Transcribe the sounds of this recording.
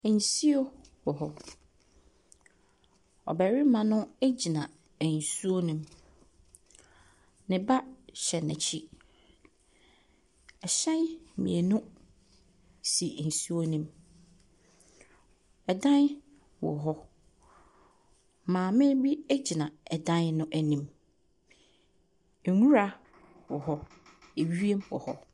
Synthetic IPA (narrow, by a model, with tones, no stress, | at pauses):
n̩˨si˦o˦ | wɔ˨ɦɔ˦ | ɔ̰˨bæ˨ɾi˦mã˨nʊ̃˦æ˦d͡ʑi˨nã˨ | æ˨n̩˨su˦o˦nĩ˦m | nɪ̃˨ba˦ɕɛ˨nɪ̰̃˨t͡ɕʰi˦ | ɛ˨ɕɛ̃˦nmḭ̃˨e˨nʊ̃˦ | si˨n̩˨su˦o˦nĩ˦m | ɛ˨dã˦n˦ | wɔ̰˨ɦɔ˦ | mãː˨mɪ̃˦bi˦æ˦d͡ʑi˨nã˨ɛ˨dã˦nnʊ̃˦ʔæ˨nĩ˨m | e˨nũ˦ɾa˦ | wɔ˨ɦɔ˦ | e˨ɥi˦e˦mwɔ̰˨hɔ˦